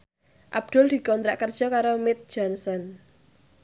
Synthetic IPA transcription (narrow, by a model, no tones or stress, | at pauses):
ʔab̚d̪̥ʊ̤ld̪̥i̤kɔnt̪ɾaʔkərd̥ʒ̥ɔ̤kaɾomɪt̪̚d̥d͡ʒ̥ɔnsɔn